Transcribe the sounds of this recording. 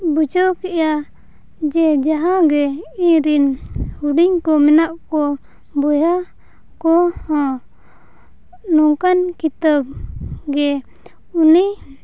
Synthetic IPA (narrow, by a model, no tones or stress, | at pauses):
bud͡ʒɔkɛʔja | d͡ʒɛd͡ʒaɦãɡɛiɲɾinhuɖiɲkɔmɛnaʔkɔ | bɔja | kɔhɔ̃ | nɔŋkankit̪əb̚ɡɛ | uni